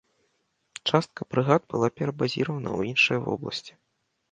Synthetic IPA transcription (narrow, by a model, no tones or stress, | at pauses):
t͡ʂast̪̚kɐpɾɨɣad̪̚bɨlˠapʲɛɾɐbazʲiɾvɐnɐ̰wjinʂɨjɐvɔ̰blˠɐ̰sʲt͡sʲi̥